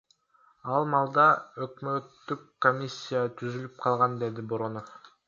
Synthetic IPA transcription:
ɑlˠmɑlˠd̪ɑøkmø̞t̪ːykː | omʲisʲːijat̪ʰyzylyp̚qʰɑlˠʁɑnd̪e̞d̪iboɾo̞nof

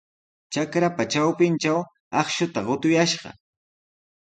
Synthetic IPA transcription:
t͡ʃakɾapat͡ʃawpɪnt͡ʃaw | ɑχʃʊt̪aɢʊt̪ʊjaʃɢɑ̰

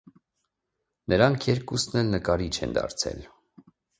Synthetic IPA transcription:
nəɾɑŋkʰjɛɾkusnɛlnəkɑɾit͡ʃʰɛ̰nd̪ɑ̰ɾt͡sʰɛ̰l

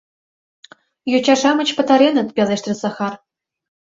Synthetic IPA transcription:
jot͡ɕɑʂɑmɤ̆t͡ɕpɤ̆t̪ɑɾʲenɤ̆t̪pʲeleʃt̪rʲɘsɑxɑr

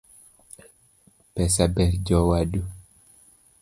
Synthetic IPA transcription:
pɛsabɛɾd͡ʒɔwadu

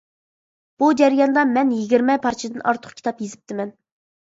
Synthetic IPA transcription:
b̥ud͡ʒɛɾjɑnd̪ɑmɛnjiɡʲiɾmɛpʰɑɾt͡ʃʰid̪ɨnʔɑ̰ɾt̪ʰʊ̥χkʲi̥t̪ʰɑpjezɪp̚t̪ʰɪmɛn

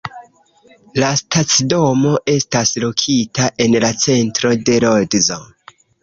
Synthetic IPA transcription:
lastat͡sdo̞mo̞ʔe̞staslokʰitaʔe̞nlat͡se̞ntɾo̞de̞ɾoldzo̰

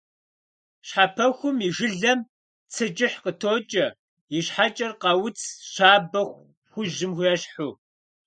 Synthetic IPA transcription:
ɕħapʰɐxʷʊmiʒɨɮɐm | t͡sʰɨt͡ʃʼɪħqətʰoːt͡ʃʼɐ | jɪɕħat͡ʃʼɐrqɐwʊt͡sʰɕaːbɐxʷ | xʷʊʑɪmxʷjɛɕħʊ

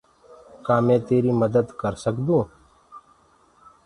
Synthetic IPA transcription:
kaːmɛ̃ːt̪eːɾiːməd̪əd̪kəɾsəkd̪ũː

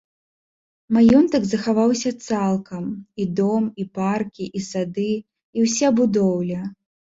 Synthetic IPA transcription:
majɔnt̪ɐɡzɐxavawsʲɐt̪salˠkʰɐmid̪ɔmiparkʲiʔisad̪ɨ | iwsʲɛbud̪ɔwlʲɐ

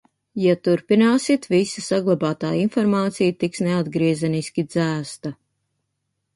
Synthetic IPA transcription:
jat̪uɾpinaːsit̪visɐsaɡlˠabaːt̪aːinfɔɾmaːt̪sijt̪iksnead̪ɡɾiɛzɛnisʲkʲid̪zæːst̪a

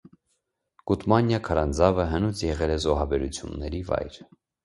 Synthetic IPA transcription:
kut̪mɑnjɑkʰɑɾɑnd͡zɑvəɦənut͡sʰjɛʁɛlɛzɔɦɑbɛɾut͡sʰjṵnːɛɾivɑ̰jɾ

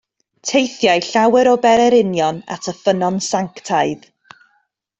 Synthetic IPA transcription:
tʰejθjajɬawɛɾɔbɛɾɛɾɪnjɔna̰tʰəfənɔnsaŋktʰaɨð

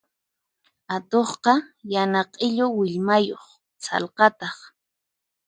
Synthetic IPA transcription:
at̪oχqɑjanɑqʼɪʎowɪʎmajoχ | sɑ̰lqɑt̪ɑχ

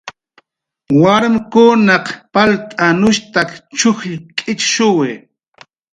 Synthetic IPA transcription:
waɾmkʊnɑqpalt̪ʼanʊʃt̪akt͡ʃʊxʎkʼɪt͡ʃʃʊwe

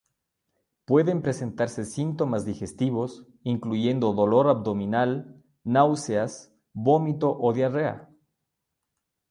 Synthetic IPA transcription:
pwe̞ðe̞mpɾe̞sent̪aɾse̞sint̪o̞mazðixe̞st̪iβ̞o̞s | iŋkluʝe̞nd̪o̞ðo̞lo̞ɾabd̪o̞minal | nawseas | βo̞mit̪o̞ʔoðjarea̰

